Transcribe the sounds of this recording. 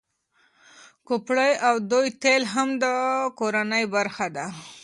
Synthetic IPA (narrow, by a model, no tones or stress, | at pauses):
kʊpɽəjawd̪ujt̪elɦamd̪əkoɾanəjbaɾxad̪a